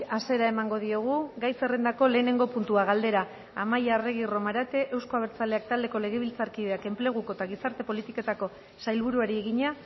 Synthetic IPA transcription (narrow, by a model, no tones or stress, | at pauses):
ase̞ɾae̞maŋɡo̞ð̞io̞ɣ̞uɡajse̞rend̪ako̞le̞ːne̞ŋɡo̞punt̪uaɣald̪e̞ɾaː | majare̞ɣ̞iro̞maɾat̪e̞ʔewsko̞aβ̞e̞ɾt͡sale̞ak̚t̪ald̪e̞ko̞le̞ɣ̞e̞βilt͡saɾkiðe̞ake̞mple̞ɣ̞uko̞t̪aɣ̞isaɾt̪e̞po̞lit̪ike̞t̪ako̞ | sajlβuɾuaɾie̞ɣiɲa